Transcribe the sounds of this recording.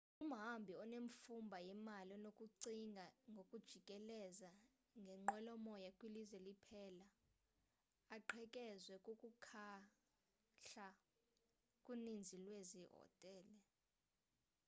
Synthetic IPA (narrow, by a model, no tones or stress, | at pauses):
um̩ɦambʱiɔneɱfumbʱajɛmalɔnokʼuǀiŋɡʱaŋɡʱokʼud̥ʒ̥ʱikʼɛlɛza | ŋɡʱɛŋ͡ǃwɛlɔmɔjakʼwilizwɛlipʰɛːla | ǃʰɛkʼɛzwɛkʼukʼukʰa | ɬa | kʼunind͡zʱilweziɦɔ̰tʼɛːlɛ